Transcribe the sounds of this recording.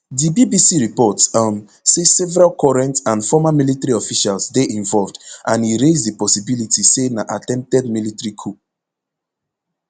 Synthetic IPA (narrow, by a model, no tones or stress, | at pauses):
dibibisiɹipɔtsam | sesɛvɛɹalkʰɔɹɛ̃ntãnfɔmamilitɛɹiɔfiʃalsdeʔĩnvɔlvdʔãniɹezdipɔsibilitisenaʔatɛ̃mp̚tɛd̚militɹikʰu